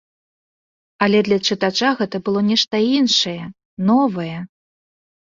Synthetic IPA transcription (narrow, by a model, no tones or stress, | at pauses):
ɐlʲɛd̪lʲɐt͡ʂɨt̪at͡ʂaɣɛt̪ɐbɨlˠɔnʲɛʂt̪ɐinʂɐjɛ | nɔvɐjɛ